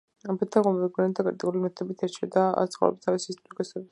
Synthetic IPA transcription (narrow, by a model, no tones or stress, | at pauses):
ampʰɛt̪ʰːaɡɔmɔviɡvɛnɛt̪ʰːakʼaɾt̪ʼḭulimɛt̪ʰɛbit̪ʰɛɾt͡ʃʰɛd̪aa̰t̪sʰχɔ̰vɾɛ̰bi̥t̪ʰaɾisist̪ʼɾikʼɛsɛbi